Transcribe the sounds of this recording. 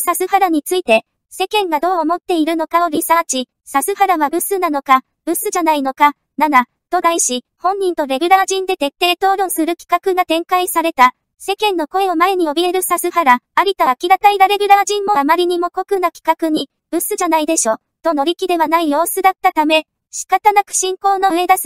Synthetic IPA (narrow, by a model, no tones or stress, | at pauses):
sasɨhaɾaɲ̟it͡sɨit̪e̞ | se̞kẽ̞ŋɡad̪o̞ːmo̞t̪ːe̞iɾɯ̟no̞kao̞ɾʲisãt͡ɕi | sasɨhaɾaβabɯ̟sɨnano̞ka | b̥ɯ̟sɨʑanaino̞ka | nana | t̪o̞d̪aiɕi | hõ̞ɲ̟ːĩnt̪o̞ɾe̞ɡɯɾaːʑĩnd̪e̞t̪e̞t̪ːe̞ːt̪o̞ːɾõ̞sɨɾɯ̟kʲi̥kakɯ̟ɡat̪ẽ̞ŋkaisaɾe̞t̪a | se̞kẽ̞nːo̞ko̞e̞o̞mae̞ɲ̟ijo̞bʲie̞ɾɯ̟sasɨhaɾaaɾʲit̪aːkʲiɾat̪aiɾaɾe̞ɡʲɯ̟ɾaːʑĩmːo̞amaɾʲiɲ̟imo̞ko̞kɯ̟nakʲi̥kakɯ̟ɲ̟i | b̥ɯ̟sɨʑanaid̪e̞ɕo̞ | t̪o̞no̞ɾʲikʲid̪e̞βanaijo̞ːsɨd̪at̪ːat̪ame̞ | ɕi̥kat̪anakɯ̟̥ɕĩŋko̞ːno̞ɯ̟e̞d̪asɨ̥